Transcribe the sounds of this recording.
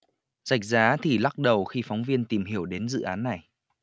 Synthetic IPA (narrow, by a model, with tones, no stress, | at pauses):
za˨˩jk̚zaː˨˦t̪ʰi˨˩la˦˥k̚ɗə˨˩wxi˧fɔ˨˦wŋ͡mvi˧ənt̪i˨˩mɦi˧˩əwɗe˨˦nzɨ̰˧˨ʔaː˨˦nːa˨˩j